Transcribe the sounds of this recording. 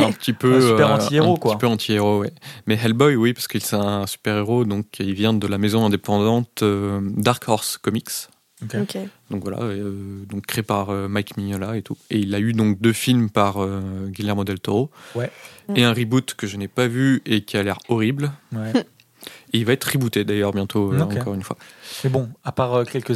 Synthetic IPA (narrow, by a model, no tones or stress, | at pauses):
ɛ̃pət̪ʰipøøpɛ̃t̪ieɛ̃ʁpoəkw̪aipøɑ̃t̪ʰieʁowɛmɛɦɛlbɔjwipaʁsə̥kəilsɛ̃ɛ̃sy̥pɛʁeʁod̪ɔ̃kʰilvjɛ̃d̪əlamezɔ̃ɛ̃d̪epɑ̃d̪ɑ̃t̪ød̪aʁkɔʁskɔmiks | ked̪̥ɔ̃kvwala̰ød̪ɔ̃kːχeepaʁømajkmiɲɔlaet̪ueilayd̪ɔ̃k̚d̪øfilmpaʁøɡʲilɛʁmɔd̪ɛlt̪ɔʁowɛeɛ̃ʁibut̪kəʒənɛpavyekʲialɛʁɔʁiblwɛ | eilvaɛt̪χibut̪ed̪ajœʁbjɛ̃t̪ʰoøɑ̃kɔʁynfwa̰mebɔ̃apaʁøkʲɛlkə